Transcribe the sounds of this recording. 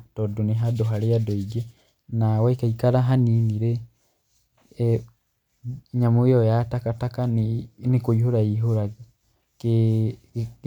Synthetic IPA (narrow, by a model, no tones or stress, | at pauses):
tɔdoneɦadoɦaɾeadɔiɡɛ | nawɛikaikaɾaɦaniniɾɛ | ɲamojɔjatakatakannekoihoɾaiɦoɾaɣe | k